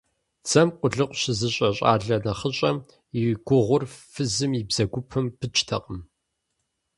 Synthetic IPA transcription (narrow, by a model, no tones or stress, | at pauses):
t͡sʰɐmqʷʊɮɨqʷʼɕɪzɨɕʼɐɕʼa̰ːɮɐnɐχəɕʼɐm | ɪɡʷʊʁʷʊrfɨzɨmibz̥ɐɡʷʊpʰɨmpʰɨt͡ʃʰʼtʰɐ̰qʼəm